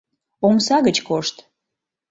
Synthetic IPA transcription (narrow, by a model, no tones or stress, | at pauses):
omsɑɣət͡ɕkoʃt̪